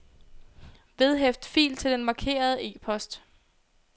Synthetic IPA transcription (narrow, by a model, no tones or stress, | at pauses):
ʋe̝ð̞ˠɦefd̥fḭːlt͡sʰe̝ld̥enmɑ̈kʰe̝̰ːɐð̞ˠəʔe̝̰ːpʰɒ̽sd̥